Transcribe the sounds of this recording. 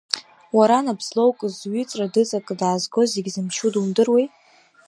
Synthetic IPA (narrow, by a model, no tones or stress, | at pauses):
waɾanabzlowkʼzɥʏt͡sʼradɨt͡sʼakʼɨdaːzɡo̞zeɡʲzɨmʃʰudundɨrwejtʼ